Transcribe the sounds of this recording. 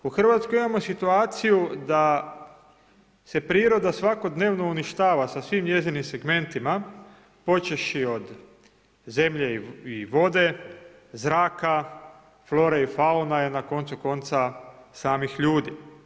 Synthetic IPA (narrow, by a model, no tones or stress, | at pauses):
uxr̩ʋat̪sko̞jimamo̞sit̪uaːt̪sijud̪a | se̞pɾiːɾo̞d̪asʋako̞d̪ne̞ːʋno̞uniʃt̪aːʋasasʋimje̞zinimse̞ɡme̞nt̪ima | po̞t͡ʃeʃio̞d̪ | ze̞mʎe̞iiʋo̞d̪e̞ | zɾaːka | flo̞ːɾeifaunaenako̞nt̪suko̞nt̪sasaːmixʎuːd̪i